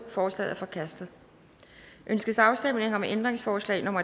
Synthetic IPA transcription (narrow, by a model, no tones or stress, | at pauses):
fɒːslɛ̰ðˠæɐfɒ̽kʰæsd̥ð̩ˠ | ʔønsɡ̥əsɑ̈ʊsd̥em̰ne̝ŋɐɒ̽mʔend̥ʁeŋsfɒːslɛ̰ɪnɔ̽m̰ɐ